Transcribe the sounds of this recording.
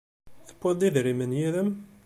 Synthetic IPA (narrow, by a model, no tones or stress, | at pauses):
θə̥pʷːəd̪ˤiðɾimənjiðəm